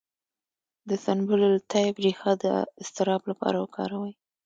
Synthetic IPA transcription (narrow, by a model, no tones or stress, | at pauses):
d̪əsanbʊlolt̪ɑjɪbɾixɑd̪əɪst̪ɪɾɑblapɑ̰ɾawəkʰɑ̰ɾawəj